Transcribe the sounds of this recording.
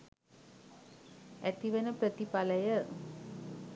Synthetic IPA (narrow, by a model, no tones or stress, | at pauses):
æt̪iʋənəpɾət̪ipaləjə